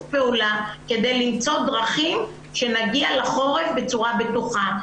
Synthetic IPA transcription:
peulake̞d̪ejlimt͡so̞d̪ʁaχim | ʃe̞naɡialaχo̞ʁe̞fbe̞t͡suʁabet̪uχa

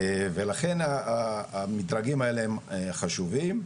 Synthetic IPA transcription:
velaχe̞naː | mitɾaɡimae̞lehemχaʃuvim

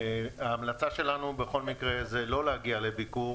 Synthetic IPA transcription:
aːmlat͡saʃe̞lanubeχo̞lmikʁe̞zelo̞lehaɡiale̞biku

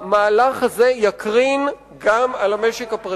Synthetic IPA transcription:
maːlaχhazejakʁin | ɡamalameʃekhapʁa

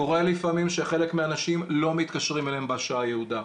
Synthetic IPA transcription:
oʁelifamimʃeχe̞lekmeanaʃimlo̞mit̪kaʃʁimelhembeaʃaajehud̪a

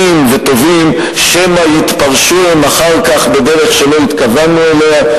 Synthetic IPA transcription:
imve̞t̪o̞vim | ʃemajit̪paʁʃuemaχaʁkaχbe̞d̪eʁe̞χʃe̞lo̞it̪kavanːuelea

